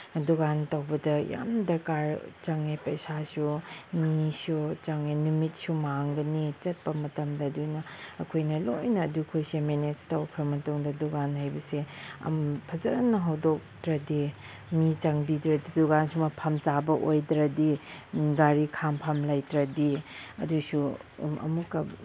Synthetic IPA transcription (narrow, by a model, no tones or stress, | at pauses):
duɡantɐwbɐdɐja̰mdɐɾkaɾt͡ʃɐŋapɐjsasumisut͡ʃɐŋajnumit̚sumaŋɡɐnit͡ʃɐt̚pɐmɐtɐmdɐːdunɐːkʰojnɐlojnɐːdukʰojsemenestɐwkʰɾɐmɐtoŋdɐduɡanɦajbɐseɐ̰mpʰɐzɐnɐɦɐwdok̚tɾɐdi | mit͡ʃaŋbidɾɐdiduɡansumɐpʰɐmt͡ʃabɐʔojdɾɐdiɡaɾikʰampʰamlajtɾɐdiɐ̰dusuɐ̰mukːɐ